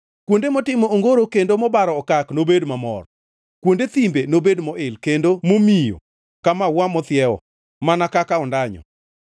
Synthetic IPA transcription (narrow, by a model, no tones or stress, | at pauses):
kwondemɔtɪmɔoŋɡoɾokendomɔbaɾɔːkaknobedmamɔ̰r | kwondet̪imbenobedmɔʔɪlkendomomijo̰ | kamawamɔt̪ɪɛɔ̰ | manakakaɔndaɲɔ̰